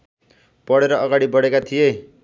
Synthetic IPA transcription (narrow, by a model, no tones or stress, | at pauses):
pʌɽeɾʌʌɡaɽibʌɽekat̪ʰije